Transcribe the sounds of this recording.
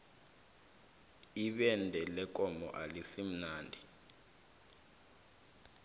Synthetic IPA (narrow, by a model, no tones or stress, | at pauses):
iɓɛndʱɛlɛkʼɔmɔ̰ʔalisim̩naːndʱi